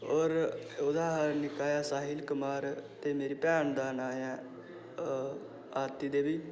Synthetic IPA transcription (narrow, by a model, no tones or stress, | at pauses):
ɔːɾʊd̪aːɦaɾnɪkaːjaːsaːɦɪlkʊmaːɾt̪eːmeːɾiːpɛːɳd̪aːnaːjãː | aːt̪ːiːd̪eːʋiː